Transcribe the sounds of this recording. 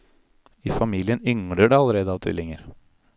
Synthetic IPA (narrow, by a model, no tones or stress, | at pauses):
ifɑmiːljənʏŋɽəɖɛɑlːəɾeːd̪əɑːʋt̪ʰɪ̰lːɪŋəɾ